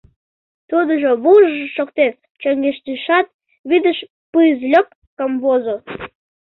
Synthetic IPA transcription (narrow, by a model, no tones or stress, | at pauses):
t̪ud̪əʒoβuʒəʒəʃokt̪en | t͡ɕəŋɡeʃd̪iʃɑt̪̚ | βid̪əʃ | pɨzlʲəp̚ | kəmβozo